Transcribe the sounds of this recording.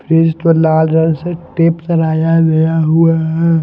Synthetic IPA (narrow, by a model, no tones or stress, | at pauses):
pʰɾiːst̪olaːlɾɐnseʈeːpsɐɾaːjaɡɐjaɦʊaɦɛ